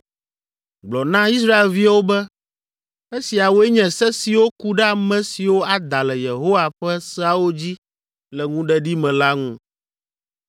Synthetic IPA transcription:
ɡ͡blɔ˨nã˦i˦s̬ɾa˦e˨lvi˦wo˦bɛ˦ | e˦si˨a˨wo˦ɛ˦ɲɛ̃˨sɛ˦si˨wo˦ku˦ɖɛ˦a˨mɛ̃˦si˨wo˦a˨d̪a˨lɛ˨je˨ɦo˦wa˨ɸɛ˦sɛ˦a˦wo˦d͡ʑi˦ | lɛ˨ŋũ˦ɖɛ˦ɖi˦mɛ̃˨la˦ŋũ˦

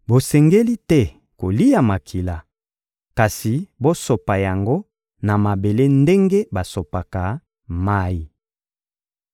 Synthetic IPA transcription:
bo˨sɛ˨ŋɡe˦li˦tɛ˦ | ko˨li˦ja˨ma˨kʰi˨la˨ | ka˨si˨bo˦so˨pa˨ja˨ŋɡo˦ | na˨ma˨be˨le˦nde˦ŋɡe˦ba˨so˨pa˨ka˨ | ma˦i˨

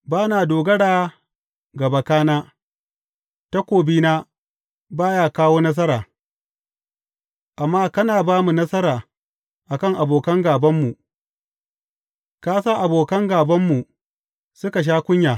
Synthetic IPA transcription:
baː˦naː˨doː˨ɡɐ˦ɽaː˨ | ɡɐ˨ba˦kaː˦naː˦ | ta˦kʷoː˨biː˦naː˦ | baː˦jaː˦kaː˦woː˦nɐ˦s̬ɐ˦ɾaː˨ | ʔa˨mːaː˦kɐ˦naː˨baː˦mu˨nɐ˦sɐ˦ɾaː˨ | ʔa˨kɐ˦˨ŋʔa˨boː˨kɐ˦ŋɡaː˨bɐ˦mːu˨ | kaː˦saː˦ʔa˨boː˨kɐ˦ŋɡaː˨bɐ˦mːu˨ | sʊ˦ka˨ʃ̬aː˦kʷʊ˦ɲjaː˨

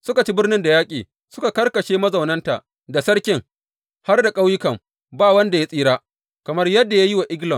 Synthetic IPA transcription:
sʊ˦ka˨t͡ʃi˦bɪ˦rnɪ˦nda˨jaː˦kʲʼiː˨ | sʊ˦ka˨kɐ˦rkɐ˨ʃeː˦mɐ˦zɐ˨wnɐ˦nta̰˨ʔ | da˨sɐ˦ɽkʲɪ˦ŋ | ha˦rda˨kʼa˦wjɪ˦kɐ˨m | baː˦wɐ˦nda˨ja˦sʼiː˦ɾaː˦ | kɐ˨mɐ˦rjɐ˦dːa˨ja˦ji˦wa˨ʔɪ˦ɡlɔ˨m

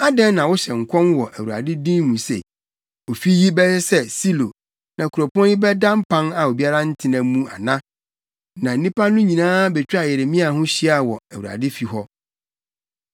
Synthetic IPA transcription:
a˦dɛ̃˦nːã˨wʊ˦ɕɛ˨ŋ̩˨kʷʰɔ̃˦nwɔ˨ʔæ˨wu˨a̰˨dɪ˦dĩ˦nː˦ũ˨sḛ˨ | o˨fi˦ji˦bɛ˦ɛ˦sɛ˦si˦lo˨ | nã˨kʰʊ˨ɾɔ˨pɔ̃˦njɪ˦bɛ˦dã˦m˦pʰã˦na˨o˨bi˦a˦ɾa˦n̩˦tʰɪ˨nã˨˦mũ˦a̰˨nã˦ | nã˨n̩˨nĩ˦pa˦nʊ̃˦ɲĩ˨nãː˦bɛ˨t͡ɕᶣa˨jɛ˨ɾe˨mĩ˦a˨ɦʊ̃˦ɕi˦a˦˨wɔ˨æ˨wu˨a̰˨dɪ˦fi˨ɦɔ˦

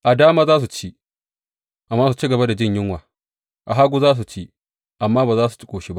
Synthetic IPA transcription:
ʔa˨daː˦maː˦zaː˦s̬u˨t͡ʃi˦ | ʔa˨mːaː˦s̬u˨t͡ʃiː˦ɡɐ˨ba˦da˨d͡ʒɪ˦˨ɲjɪ˦ŋwaː˨ | ʔa˨ɦaː˦ɡʷu˦zaː˦s̬u˨t͡ʃiː˦ | ʔa˨mːaː˦baː˨zaː˦s̬u̥˨t͡ʃɪ̥˦kʷʼoː˨ʃi˦ba˦ʔ

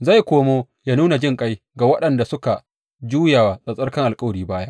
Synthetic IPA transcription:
za˦˨jkʷoː˦moː˦ | jaː˦nuː˦na˨d͡ʒɪ˦˨ŋkʼa˦j | ɡa˨wɐ˦ɗɐ˨nda˨sʊ˦ka˨ | d͡ʒuː˦ja˨wa˨sʼɐ˨sʼɐ˦rkɐ˦ŋʔa˨lkʼɐ˦wɽiː˦baː˦ja˦

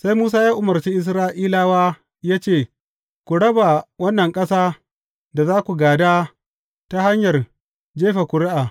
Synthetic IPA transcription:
sa˦jmuː˦s̬aː˦jaː˦ʔʊ˨mɐ˨rt͡ʃi˦ʔɪ˨˦s̬ɾaː˦ʔiː˦laː˦waː˦ | jaː˦t͡ʃeː˦˨ | kʷu˨ɽɐ˦ba˨wɐ˦nːɐ˨ŋkʼɐ˦saː˦ | da˨zaː˦kʷu˨ɡaː˨daː˦ | ta˦ha˦ɲjɐ˨r | d͡ʒeː˦ɸa˨kʷʊ˨ɽɪ˦ʔaː˨

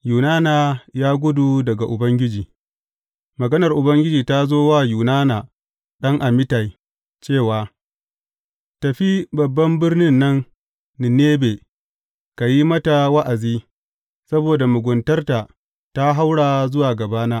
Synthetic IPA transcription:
juː˨naː˦naː˨jaː˦ɡʷʊ˦du˨dɐ˨ɡa˨ʔʊ˨bɐ˦ŋɡʲɪ˦d͡ʒiː˨ | mɐ˨ɡɐ˦nɐ˨rʔʊ˨bɐ˦ŋɡʲɪ˦d͡ʒiː˨ta˦zoː˦waː˦˨juː˨naː˦naː˨ | ɗɐ˦ŋʔa˨mɪ˦ta˨j | t͡ʃeː˦˨waː˨ | tɐ˨ɸi˦bɐ˨bːɐ˦mbɪ˦rnɪ˦nːɐ˦nː | ɪ˨neː˦beː˨ | ka˨ji˦mɐ˦ta˨wɐ˦ʔa˨ziː˦ | sɐ˦boː˨da˨mʊ˨ɡʷʊ˨ntɐ˦rta˨ | ta˦ɦa˦wɽaː˨zʊ˦waː˨ɡɐ˨baː˦naː˦

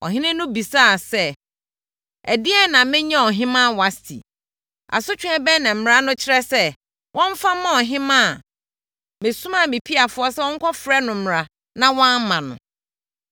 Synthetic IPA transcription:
ɔ̰˨ɦɪ̃˦nɪ̃˦nʊ̃˦bi˨saː˦˨sɛ˦ | æ˨dɪ˦ɛ˦nã˨mɪ̃˦ɲɛ̃˦ɔ˨ɦɪ̃˦mã˦˨wa˨stʰḭ˨ | a̰˨sʊ˦t͡ɕᶣʊ̃˦ɛ̃˦bɛ˦nã˨m̩˨m˨ɾa˦nʊ̃˦t͡ɕʰɪ˦ɾɛ˦sɛ˦ | wʔɔ̃˦ɱ˦fa˦mã˦ɔ˨ɦɪ̃˦mã˦˨ | mɪ̃˨sũ˦mã˦˨mɪ̃˨pʰi˦a˨fʊ˨˦ɔ˦sɛ˦wɔ̃˦ŋ̩˦kʰɔ˦fɾɛ˦nʊ̃˨m̩˦m˨ɾa˨ | nã˦˨wɔ̃˦m˦mã˨nʊ̰̃˨

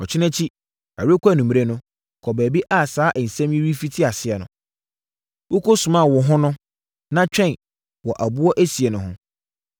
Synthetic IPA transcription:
ɔ˨t͡ɕʰɪ˦nɛ̃˦t͡ɕʰi˦ | a̰˨ɾe˦kʷæ˦˨nũ˨m˨ɾe˦nʊ̃˦ | kʰɔ˨bæː˨bi˦ʔa˦˨saː˨˦ʔɛ˨n̩˨sɛ̃˦mjĩ˦ɾi˦fi˦tʰi˦a˨sɪ˨ɛ˨nʊ̰̃˨ | wo˦kʰo˦sʊ̃˨mã˦˨wɔ˨ɦʊ̃˦nʊ̃˦ | nã˦t͡ɕᶣɛ̃˦˨n | wɔ˨ʔæ˨bu˦ɔ˦ʔæ˦si˨e˨nʊ̃˨ɦʊ̃˦

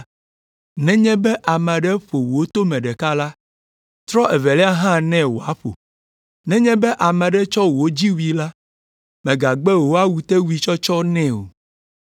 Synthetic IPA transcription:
nɛ̃˦ɲɛ̃˦bɛ˦ʔa˨mɛ̃˨ɖɛ˦ɸo˨wo˦t̪o˦mɛ̃˨ɖɛ˨ka˦la˦ | t̪ɾɔ˦ʔɛ˨vɛ˨lɛ˦a˦ɦã˦nɛ̃˦wo̰˨a̰˨˦ɸo̰˨ | nɛ̃˦ɲɛ̃˦bɛ˦ʔa˨mɛ̃˨ɖɛ˦t͡ʃɔ˦wo˦d͡ʑi˦wi˨la˦ | mɛ̃˨ɡa˨ɡ͡bɛ˦wo˦a˦wu˨t̪ɛ˦wu˦i˨t͡ʃɔ˦t͡ʃɔ˦nɛ̃˦o̰˨

